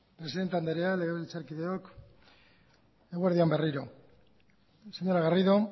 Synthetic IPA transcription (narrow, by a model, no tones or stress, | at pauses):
pɾe̞siðent̪eand̪eɾealeɣeβelt͡saɾkiðeok | eɣueɾðiamberiɾo̞ | se̞ɲoɾaɣariðo̞